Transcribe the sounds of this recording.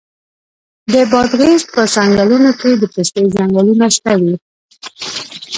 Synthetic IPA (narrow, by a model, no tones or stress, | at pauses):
d̪əbɑd̪ɣezpəsaŋɡalunoked̪əpest̪əjzaŋɡalunaʃt̪awi